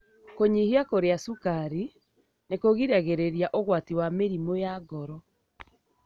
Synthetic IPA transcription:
koɲihiakoɾeasukaɾi | nekoɣiɾaɣeɾeɾiaʔoɣwatiwameɾimojaɡɔɾɔ

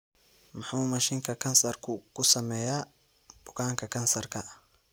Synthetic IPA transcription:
mɑħmuːmɐʃɪŋkʰɐkʰɐnsɐrkʰʊkʰʊsɐmɛja | d̥ʊkʰaːŋkʰɐkʰɐnsɐrkʰɐ

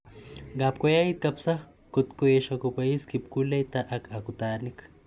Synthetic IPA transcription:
ɡap̚kʷajajit̪̚kapsaχ | kut̪kueʃakupaiskip̚kulejt̪aʔakakut̪anik

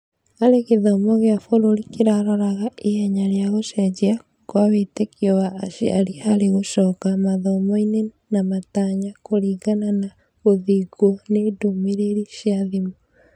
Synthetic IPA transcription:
aɾekeðɔmɔɣeafoɾoɾikeɾaɾɔɾaɣaehɛɲaɾeaɣoʃɛd͡ʒia | kwaβetekiɔɣaːʃia̰ɾihaɾeɣoʃɔːkamaðɔmɔine | namataɲakoɾiːɣanana | ɣoðiɡɔnedomeɾeɾiʃiaðimɔ

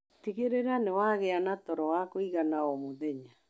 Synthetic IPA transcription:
tiɣeɾeɾanewaɣeanatɔɾɔwakoiɣanaomoðeɲa

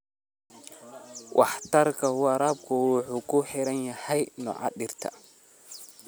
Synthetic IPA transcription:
wʔɑ̰ħt̪ʰɐrkʰɐwɑɾaːb̚kʰʊwʊħuːkʰʊħɪɾɐnjɐhɛjnɔ̰ʕɑ̰ɗɪrt̪ʰɐ̰

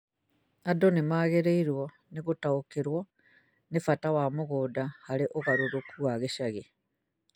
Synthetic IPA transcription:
adonemaːɣeɾeiɾwɔ | neɣotaokeɾwɔ | nefatawamoɣoːdahaɾeʔoɣaɾoɾokʰuaɣeʃaɣe

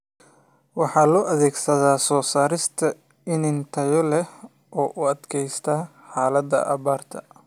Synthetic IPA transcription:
wɑħɑːlɔːʔɐðɛːɡsɐðaːsɔːsaːɾɪst̪ʰɐ | ɪnɪnt̪ʰɐjɔlɛ | ʔɔːʔʊɐd̪kʰɛjst̪ʰaː | ħɑːlɐd̪ɐ̰ʔɐ̰βaːrt̪ʰɐ̰

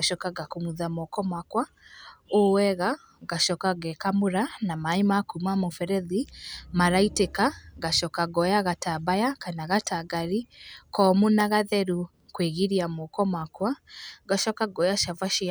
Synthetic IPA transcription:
aʃɔkaɡakomuðamɔkɔmakwa | owɛɣa | ɣaʃɔkaɣɛkamuɾanamaimakumamofɛɾɛðimaɾaitekaɣaʃɔkaɡɔjaɣatabajakanaɣatʰaɡaɾikɔmunaɣaðɛɾu | kweɣiɾiamɔkɔmwakwaɡaʃɔkaɡɔjaʃavaʃi

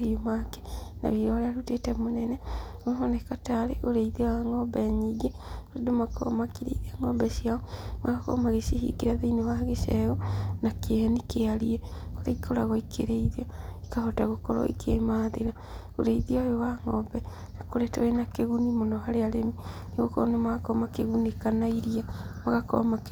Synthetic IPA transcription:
iomake̥na̰βiɾɔaɾeaɾutetɛmonɛnɛmahɔnɛkataɾḛʔoɾeiðewaŋɔbɛɲiɡe | oɾedomakɔ̰makiɾḛiðiaŋɔbɛsiaɔmakɔ̰maɣesihḭɡeɾaðeinewaɣeʃɛɣɔnakeanikeaɾiɛkoɾeikʰoɾaɣɔikʰḛɾeiðiɔi̥kahɔtaɣokɔɾɔ̰ḭkʰemaːðeɾa | o̰ɾeiðiɔjowaŋɔbɛ | nakoɾɛtoenakeɣunimondoɦaɾeaɾemineɣoko̰nemaakɔmakeɣunekanaiɾiamaɣakɔ̰mak

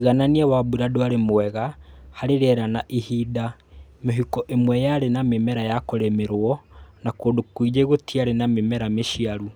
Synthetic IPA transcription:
ɣananiɛwabuɾadoaɾemwɛɣahaɾeɾɛɾanaʔihida | meɦikɔʔemwɛjaɾenamemɛɾajakoɾɛmeɾwɔnakoːdokwid͡ʒeɣotiaɾenamemɛɾameʃiaɾu

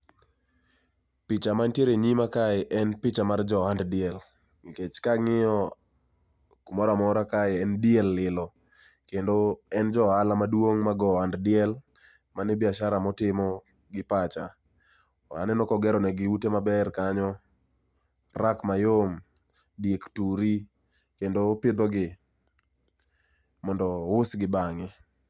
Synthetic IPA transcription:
pɪt͡ʃamantjeɾeɲimakaɪʔɛnpɪt͡ʃamard͡ʒɔanddɪɛl | ŋiket͡ʃkaŋɪɔ | kumɔɾamɔɾakaɪɛndɪjɛlːɪlɔ | kendoɛnd͡ʒɔalamadwoŋmaɡɔanddɪɛl | manɪbɪaʃaɾamɔtɪmɔ | ɡɪpat͡ʃa | a̰nɛnɔkɔɡɛɾɔnɛɡɪutemabɛrkaɲɔ | rakmajom | djektuɾi | kendopɪd̪ɔɡɪ | mɔndɔʊsɡɪbaŋɛ

